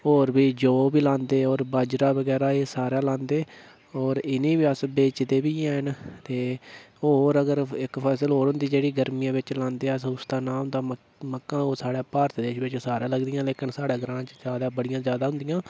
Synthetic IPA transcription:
ɦoːɾbiːd͡ʒoːbiːlãːnd̪eːɔːɾbaːd͡ʒɾaːbəɡɛːɾaːeːsaːɾãːlãːnd̪eː | ɔːɾɪnĩːʋiːəsbeːt͡ʃd̪eːbiːɛːɦənt̪eːoːɾəɡəɾɪkpʰɛːsəlɦoːɾɦʊ̃nd̪iːd͡ʒeːɽiːɡəɾmijãːʋɪt͡ʃlãːnd̪eːəsʊst̪aːnãːɦʊ̃nd̪aː | məkːãːoːsaːɽaːpaːɾt̪d̪eːʃʋɪt͡ʃsaːɾãːləɡd̪ijãːleːkɪnsaːɽaːɡɾãːt͡ʃzjaːd̪aːbəɽɪjãːzjaːd̪aːɦʊ̃nd̪ɪjãː

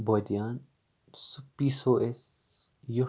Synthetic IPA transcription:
bod̪ijaːn | spiːsoːʔes | ju

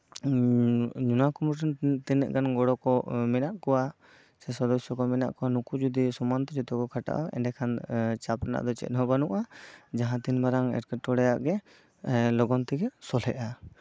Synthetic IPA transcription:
ɲunakumuɾʈɔnt̪ɛnɛ̰ʔɡanɡɔɽɔkɔmɛnaʔkɔwa | sɛsɔd̪ɔsjɔkɔmɛna̰ʔkɔwanukud͡ʒud̪isɔmant̪ɔd͡ʒɔt̪ɔkɔkʰaʈa̰ʔaɛ̰ɖɛkʰant͡ʃapɾɛna̰ʔd̪ɔt͡ʃɛ̰t̪̚ˀɦɔbanuʔad͡ʒaɦãt̪inbaɾaŋɛ̰ɾkɛʈɔɽɛjaʔɡɛ | lɔɡɔnt̪ɛɡɛsɔlɛʔa

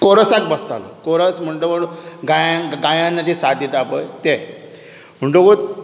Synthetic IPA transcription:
koɾəsak̚bəst̪a̰lɔ̰koɾəsm̤əɳʈoboɽoɡajãɡajãnːat̪isad̪ʱjit̪apəjt̪e | m̤əɳʈokot̪

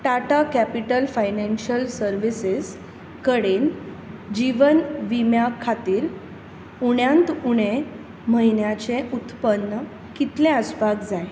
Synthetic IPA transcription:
ʈaʈakæpiʈəlfajnenɕəlsəɾʋises | kəɽen | d͡ʑiʋənʋimjakʰːat̪iːɾ | uɽjãnt̪uɽ̃e | məɦinjat͡seʔut̪pənːə | kit̪lẽəsbʱaɡd͡zaj

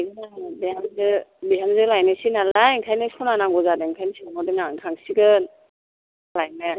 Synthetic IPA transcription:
jɡɯnabehamzɯbiɦamzɯlajnɯsinalaiŋkʰajnɯsɔnanaŋɡɔzadeŋkʰajnsimɔdɯnaŋkʰaŋsiɡɯn | lajma

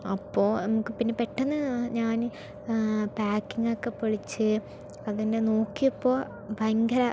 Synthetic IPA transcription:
ɐpːo̞ːnɐmukːɨpinːepeʈːenːɨɲaːn | paːkːiŋokːepːoɻit͡ɕːɨ | ɐðinde̞noːkːijɐpːo̞ː | bʱɐjŋɡʱɐɾɐ

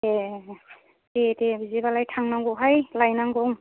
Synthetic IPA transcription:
e | tetebizibalajtʰaŋnaŋɡɔɦajlajnaŋɡɔŋ

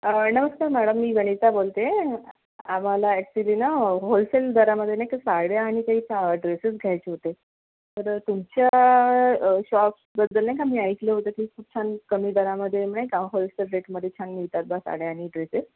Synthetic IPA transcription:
ənəʋəskaɾmæɽəmːiːɡəɽ̃it͡sabolt̪e | amalaɛksilinaɦolseld̪əɾaməd̪ʱːjenajkasaɽjaːɽ̃ikaɦiːt͡ɕʰaɖɾesəsɡʱjajt͡ɕeɦot̪e | t̪əɾt̪umt͡ɕja | ɕɔpsbəd̪ːəlnaɦikam̤iːaik̪leɦot̪ekiːkʰuːp̚t͡ɕʰankəmiːd̪əɾaməd̪ʱːjem̤əɳajkaɦolselɾeʈməd̪ʱːjet͡ɕʰanmiɭt̪at̪̚basa̰ɽjeaɽ̃iɖɾeses

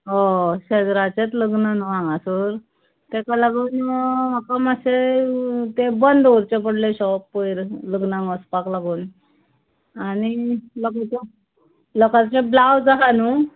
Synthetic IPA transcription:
oɕəd͡zɾat͡ɕet̪ləɡnənʋãŋɡãsuɾ | t̪ekalaɡuːnmakaməse | t̪ebənd̪oɾt͡ɕep̬əɽleɕɔpːojɾləɡnãŋɡɔspaklaɡuːn | anilɔkat͡se | lɔkat͡sẽblawd͡zaɦanu

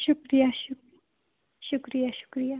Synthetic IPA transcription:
ʃukɾijaʃu | ʃukɾijaʃu̥kɾija

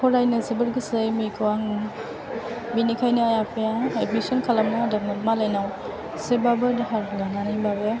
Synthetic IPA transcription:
kʰɔɾajnɯzibɯɾɡɯsejmikʰɯwaŋ | binikʰajnɯajapʰejaetmisɔnkʰalamnadaɡmentmalajnaw | sebabɯdaɦaɾɡananibabe

